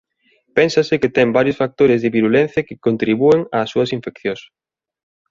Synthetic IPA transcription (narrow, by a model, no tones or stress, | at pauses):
pɛnsɐsɪkɪt̪ɛmbaɾjʊsfak̚t̪oɾɪzðɪβiɾulɛn̟θjɐkɪkont̪ɾiβueŋɐːsːuɐsiɱfekθjos